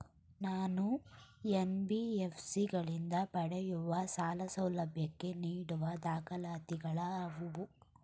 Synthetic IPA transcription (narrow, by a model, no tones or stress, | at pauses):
naːnuenbiepʰsiɡɐɭind̪ɐpɐɽejuʋɐsaːlɐsɐwlɐbʱjɐkːe̞niːɽuʋɐd̪aːkɐlaːt̪iɡɐɭɐːʋuʋu